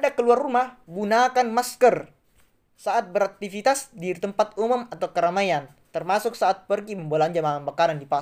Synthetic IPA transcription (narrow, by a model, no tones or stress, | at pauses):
adakəluarumahɡunakanmaskər | saʔat̪̚bəɾak̚t̪ifit̪asdit̪əmpat̪umʊmat̪awkəɾamajan | t̪ərmasʊk̚saat̪̚pərɡiməmbolaaɲd͡ʒamaabakaɾandipa